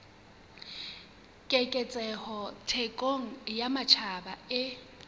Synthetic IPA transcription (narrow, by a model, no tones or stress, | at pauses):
kʼɛkʼɛt͡sʼɛhɔtʰekʼoŋ̩jamat͡ʃʰabaɪ